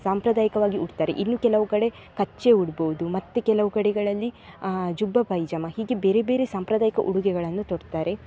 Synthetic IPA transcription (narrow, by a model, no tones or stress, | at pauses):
saːmpɾɐd̪aːjikɐʋaːɡiuɽt̪aːɾḛʔinːuːkɛlɐʋukɐɽe̞ | kɐt͡ʃːe̞uɽboʋud̪umɐt̪ːekɛlɐʋukɐɽɛɡɐɭɐlːid͡ʒubːɐpɐjd͡ʒɐmɐɦiːɡebeːɾebe̞ːɾesaːmpɾɐd̪aːjikɐʔuɽuɡɛɡɐɭɐnːut̪oɽt̪aːɾe̞